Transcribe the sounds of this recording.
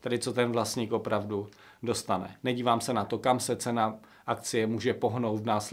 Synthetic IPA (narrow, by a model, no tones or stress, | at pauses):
t̪ɛdɪt͡so̞t̪ɛnvlast̪ɲiːkʔo̞pɾavdu | do̞st̪anɛ̰nɛɟiːvaːmsɛnat̪o̞kamsɛt͡sɛna | ʔakt͡sɪjɛmuːʒɛpo̞ɦnowt̪vnaːslɛ